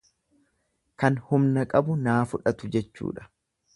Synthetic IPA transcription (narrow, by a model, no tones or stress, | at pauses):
kɐnhʊmnɐkʼɐbʊnaːfʊᶑɐt̪ʊd͡ʒɛt͡ʃːṵːᶑɐ̥